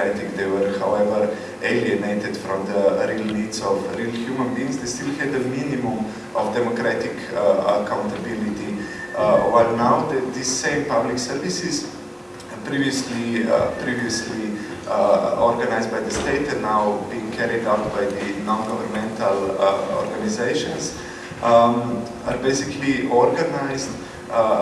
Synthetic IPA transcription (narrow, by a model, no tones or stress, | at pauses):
at̪ɪkd̪eɪwəɾhawɛvəɾ | eliəneɪt̪ɪd̪fɾɔ̃md̪əɾilnidzɔfɾiːlxjumə̃nbĩːŋzd̪est̪ilˠhɛd̪əminimũm | ʔɔfd̪ɛmokɾat̪ɪkəkãʊ̃nt̪abilit̪i | waɪlnawd̪ɛd̪isːẽɪ̃mpabliksɛɾvisiz | pɾiviəslipɾiviəsli | oɾɡanajzd̪̚bajd̪əst̪eɪt̪ɛ̃nnawbĩːŋkʰɛɾid̪atbajd̪ənɔ̃nɡɔvəɾmɛ̃nt̪ʰalo̰ɾɡanizeɪʃɔ̃ns | aɾbeɪsikliɔɾɡanaɪzd̪